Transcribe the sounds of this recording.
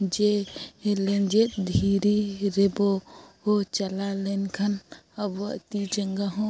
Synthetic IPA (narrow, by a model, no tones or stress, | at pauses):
d͡ʒɛɛlɛnd͡ʒɛt̪̚d̪ʱiɾiɾɛbɔhɔt͡ʃalalɛnkʰanabaʔt̪id͡ʒəŋɡaɦɔ̃